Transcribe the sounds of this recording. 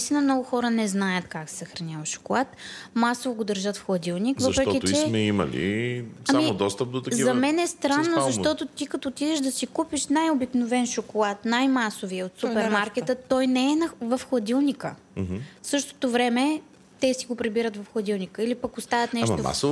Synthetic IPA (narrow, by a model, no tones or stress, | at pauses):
ist̪inəmnɔɡʊxɔɾənɛznajət̪kaksɛ̥sɐxɾɐnʲavəʃo̥kolˠat̪masovoɡod̪əɾʒət̪fxlˠɐd̪ilˠnikvəɐʃɾɛkɔitt͡ʃɛmɛimɐ̰lḭsɐamimodd̪ɔst̪əp̚d̪ot̪ɐkzivɐmɛnɛst̪ɾanːozɐʃt̪ɔt̪ot̪ikɐt̪oːt̪id̪ɛʒd̪ɐsikupiʃnajobiknovɛnʃokolˠat̪najmasoviəot̪supɛɾmaɾkɛt̪ət̪ːɔjnɛɛnɐvɐfxlˠɐd̪ilˠnʲikə | fsɤʃt̪o̥t̪ovɾɛmɛ | t̪ɛsiɡopɾibiɾət̪vɐfxlˠɐd̪ilˠnʲikəilipɐkost̪avət̪nɛʃt̪oma̰so